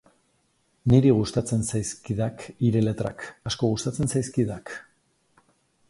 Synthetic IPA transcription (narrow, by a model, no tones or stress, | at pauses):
niɾiɣ̞ust̪at͡se̞nsajskiðakiɾe̞le̞t̪ɾa̰kasko̞ɣust̪at͡se̞nsajskiðak